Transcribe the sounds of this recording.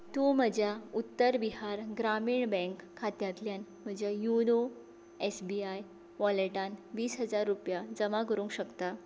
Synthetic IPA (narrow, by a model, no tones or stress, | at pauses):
t̪ũːm̤əd͡ʑʱjaut̪ːəɾbiɦaɾɡɾamiːɳbɛ̃ŋkʰːat̪jãt̪ljan | m̤əd͡ʑjajuno | esbiaj | ʋɔleʈanʋiːsɦəd͡zaɾːupjad͡zəmakəɾũːŋkɕəkt̪a